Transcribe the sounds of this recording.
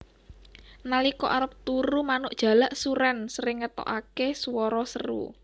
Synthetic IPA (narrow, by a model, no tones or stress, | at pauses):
nalikɔ̰ʔaɾəp̚t̪uɾumanʊʔdʒ̥a̤laʔsuɾɛnsɾɪŋːət̪ɔ̰ʔakesuwɔɾɔsəɾṵ